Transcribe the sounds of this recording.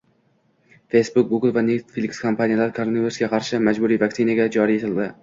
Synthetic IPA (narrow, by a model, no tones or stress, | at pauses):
fejsbʊk̚ɡuɡlˠvanet̪filʲikskʰompʰanijalaɾɪkʰoɾneviɾsɡʲaqʰɑɾʃɪmad͡ʒbʊɾiːvaksinaɡʲad͡ʒɒɾijet̪ʰɪld̪ɪ